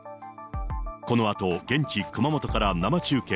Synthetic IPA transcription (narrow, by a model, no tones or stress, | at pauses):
ko̞no̞at̪o̞ɡẽ̞ɲ̟t͡ɕikɯ̟mamo̞t̪okaɾanamat͡ɕɨːkẽ